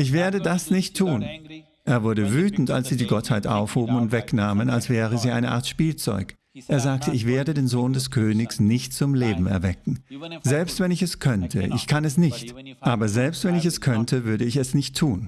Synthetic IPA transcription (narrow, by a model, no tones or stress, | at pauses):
ʔɪçv̥eːɐdədasnɪçtʰːuːn | ʔeːɐvʊɐɾəvyːtn̩ta̰lsz̥iːdiːɡɔthaɪtʔa̰ʊfhoːbm̩ʊntv̥ɛknaːmənalsv̥ɛːʁ̞əziːʔa̰ɪnəʔa̰ɐtʃpiːlt͡sɔ̰ʏk | ʔeːɐzaːk̚təɪçv̥eːɐdədeːnzoːndɛskʰøːnɪçsnɪçt̚t͡sʊmleːbm̩ɛ̰ɐvɛk̚ŋ̩zɛlpstv̥ɛnɪçɛskʰœntʰə̰ʔɪ̰çkʰanɛsnɪçt | ʔaːbɐzɛlpstv̥ɛnɪçɛskʰœntʰəvʏɐɾəɪçɛsnɪçtʰːuːn